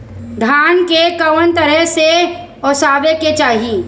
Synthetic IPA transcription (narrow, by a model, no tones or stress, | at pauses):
d̪ʱaːnkekəwənt̪əɾɛɦse | ɔsaːʋeket͡ʃaːɦi